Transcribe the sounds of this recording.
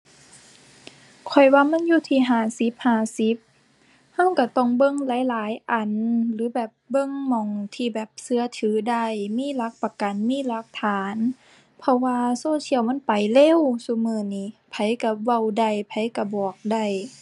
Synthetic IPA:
kʰɔ˨˩jwaː˧˨ma˧˥˨njuː˧˨t̪ʰiː˧˩ɦaː˧˩si˧˦p̚haː˧˩si˧˦p̚ | ha˧˥˨wka˧˩t̪ɔ˧˩ŋbɤ˧˥˨ŋlaː˨˦jlaː˨˦jʔa˨˩nlɯː˨˦bɛː˨˩p̚bɤ˧˨ŋmɔ˨˧˩ŋt̪ʰiː˧˩bɛː˨˩p̚sɯ˧ɐ˨t̪ʰɯː˨˦da˧˩jmiː˧˥˨la˧˦˥k̚pa˧ka˨nmiː˧˥˨la˧˦k̚t̪ʰaː˨˦n | pʰɔ˧waː˧soː˧˥˨t̪ʰi˧˩ə˨wma˧˥˨npa˨˩jle˧˥˨wsu˧˦mɯː˧˩niː˧˩˨pʰa˨˦jka˧˩wa˧˩˨wda˧˩jpʰa˨˦jka˧˩bɔː˨˩k̚da˧˩j

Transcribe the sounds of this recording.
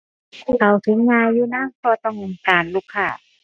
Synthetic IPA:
pʰuː˧˩˨kʰa˨˩wt̪ʰɯ˨˦ŋɲaː˧jːuː˧˩naː˧˥˨ŋpʰɔː˧t̪ɔ˧˩ŋ˨kaː˨˩nluː˧˩kʰːaː˧˩

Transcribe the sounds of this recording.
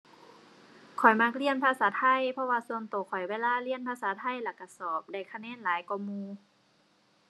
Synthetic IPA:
kʰɔ˨˩jma˧˥k̚li˧˥˨ənpʰaː˧saː˨˦t̪ʰa˧˥˨jpʰɔ˧waː˧su˧ənt̪oː˨˩kʰɔ˨˩jweː˧˨laː˧˥˨li˧˨ənpʰaː˧saː˨˦t̪ʰa˧˥˨jla˧˩ka˧˩sɔː˨˩p̚da˧˩jkʰa˧nɛː˧˥˨nlaː˨˦jkɔ˧˩muː˧

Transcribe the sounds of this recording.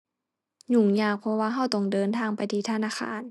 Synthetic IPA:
ɲu˧˩ŋɲaː˧˩k̚pʰɔ˧waː˧ɦa˧˩wt̪ɔ˧˩ŋdɤː˨nt̪ʰaː˧˩ŋpa˨jt̪ʰiː˧t̪ʰa˧naː˧˥˨xʰa̰ː˧˦n

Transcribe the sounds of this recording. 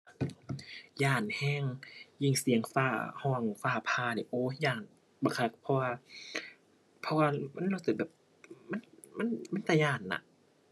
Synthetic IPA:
jaː˧˩nhɛː˧˥˨ŋji˧˩ŋsi˨˦əŋfaː˧˩hɔː˧˩ŋfaː˧˩pʰaː˧˩ni˨˩ʔoː˧˦jaː˧˩n | ba˧˩kʰa˧˩k̚pʰɔ˧waː˧ | pʰɔ˧waː˧ma˧˥˨nla˧˩t̪ɯː˨˧˩bɛː˨˩p̚ | ma˧˥˨nma˧˥˨nma˧˥˨nt̪a˧˩jaː˧˩nːa̰˧ʔ

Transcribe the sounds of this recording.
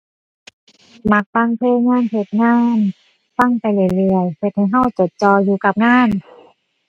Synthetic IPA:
ma˧˦k̚fa˧˩˨ŋpʰɯː˧˥˩ŋaː˧˥˨npʰe˧˩t̪̚ŋaː˧˥˩n | fa˧˥˩ŋpa˨jlɯ˧˩˨jlɯ˧˩əjhe˧˩t̪̚ha˧˩jɦa˧˥˩wt͡ɕo˨˩t̪̚t͡ɕɔː˧juː˧ka˧p̚ŋaː˧˥˨n

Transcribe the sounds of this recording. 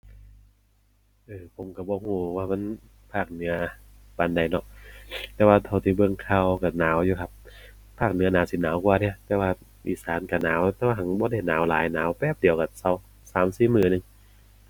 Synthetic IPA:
ʔɤː˧pʰo˨˦mka˧˩bɔː˧˦huː˧˩waː˧˩ma˧˥˨n | pʰaː˧˩k̚nɯ˨˧˦ɐ | pa˨˧˦nda˧˩jnɔ˧ʔt̪ɛː˧˦waː˧˩t̪ʰa˧˩wt̪ʰi˧˦bɯ˧əŋkʰa˧˩wka˧˩naː˨˦wjuː˧kʰa˧˩p̚ | pʰːaː˧˩k̚nɯ˨˦ɐnaː˨˦wsi˨˧˦naː˨˦wkwaː˧ni˧˩ɐt̪ɛː˧waː˧ | ʔḭː˧˩saː˨˦nka˧˩naː˨˦wt̪ɛː˧wa˧ɦa˨˦ŋbɔː˧˦da˧˩jnaː˨˦wlaː˨˦jnaː˨˦wpɛː˧˩p̚di˨˦əwka˧˩sa˨˦w | saː˨˦msiː˧˩mɯː˧˩nɯ˧˦ŋ

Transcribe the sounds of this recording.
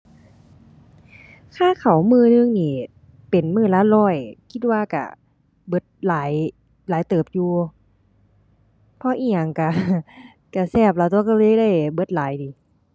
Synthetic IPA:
kʰaː˧˥˩kʰa˨˩˦wmɯː˧˨nɯ˧˨ŋniː˧˩ | pe˨˩nmɯː˧˩laː˧˥lɔː˧˩jkʰi˧˥t̪̚waː˧ka̰˧˩ | bɤ˧˥t̪̚laː˨˦j | laː˨˦jt̪ɤː˨˩p̚juː˧ | pʰɔ˧˥ʔiː˧˩ɲa˨˩ŋka˧˩ | ka˧˩sɛː˧˩p̚laː˨˧˩t̪u˧˦ka˧˩lɤː˧˨jda˧˥˩jbɤ˧˥t̪̚laː˨˦jdiː˨˦

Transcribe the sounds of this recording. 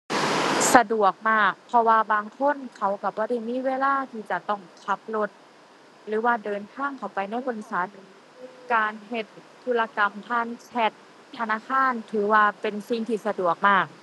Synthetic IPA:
sa˧du˨˩ək̚maː˧˥˩k̚pʰɔ˧waː˧baː˧ŋkʰo˧˥˨nkʰa˧˩wka˧˩bɔː˧˩ɾa˧˥˩jmiː˧˥˨weː˧˥laː˧˥˩t̪ʰiː˧˩t͡ɕa˨˩t̪ɔ˧˥˩ŋkʰa˧˦˥p̚lo˧t̪̚ | ɾɯː˨˦waː˧˩dɤː˧nt̪ʰaː˧˥˩ŋkʰa˧˩wpa˧jna˧˥˩jkʰo˧˨n˧sa˨˦t̪̚ | kaː˧nɦe˧t̪̚ʰːuː˧˥laː˧ka˧mt̪ʰaː˧˥˨nt͡ɕʰɛ˧˩t̪ʰː | a˧naː˧˥˨kʰaː˧˥˨nt̪ʰɯː˨˦waː˧pe˧nsi˨˧˩ŋt̪ʰiː˧˩sa˧du˨˩ək̚maː˧˥˩k̚

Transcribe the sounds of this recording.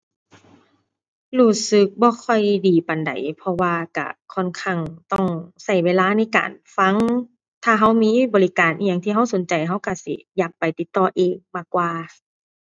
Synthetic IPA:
luː˧˩sɯ˧˦k̚bɔː˧˦kʰɔ˧˩jdiː˨˩pa˨nda̰˨˩jpʰɔ˧waː˧ka̰˧˩kʰɔ˧˥˨nkʰa˧˩ŋt̪ɔ˧˩ŋsa˧˩jweː˧˨laː˧˥˨na˧˥jka̰ː˨nfa˧˥˨ŋ | t̪ʰaː˧˩ɦa˧˥˩wmiː˧˥˨bɔː˨li˦˥kaː˨˩nʔi˧ja˧˨ŋt̪ʰiː˧ɦa˧˥wso˨˦nt͡ɕa˨˩jɦa˧˥˩wka˧˩sḭ˧˦ja˧˩k̚pːa˨˩jt̪i˧t̪ːɔː˧ʔeː˨ŋmaː˧˩kːwaː˧

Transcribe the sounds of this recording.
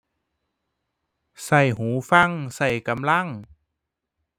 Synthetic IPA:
sa˧˩jɦuː˨˩˦fa˧˩˨ŋsa˧˩jka˧˦mla˧˥˩ŋ

